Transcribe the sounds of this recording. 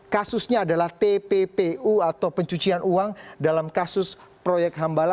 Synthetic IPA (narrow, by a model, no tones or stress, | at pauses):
kasʊsɲaːdalaht̪epepeuat̪awpəɲt͡ʃut͡ʃianʔuaŋdalamkasʊs | pɾojɛk̪̚ɦambala